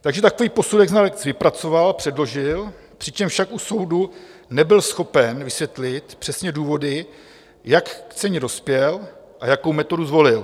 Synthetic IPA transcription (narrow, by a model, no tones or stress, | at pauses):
t̪aɡʒɛt̪ako̞viːpo̞sudɛɡznalɛkt͡svɪpɾat͡so̞valpr̥ɛdlo̞ʒɪl | pr̝̥ɪt͡ʃɛmfʃakʔuso̞wdunɛbɪlsxo̞pɛnvɪsvjɛt̪lɪt̪pr̥ɛsɲɛduːvo̞dɪ | jakːt͡sɛɲɛdo̞spjɛl | ʔajakowmɛt̪o̞duzvo̞lɪl